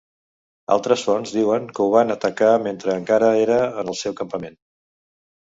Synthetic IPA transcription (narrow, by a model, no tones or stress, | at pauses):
a̰lˠt̪ɾəsfɔnzd̪iwəŋkəuβ̞anət̪əkament̪ɾəːŋkaɾəeɾəːnəlˠsɛwkəmpəmen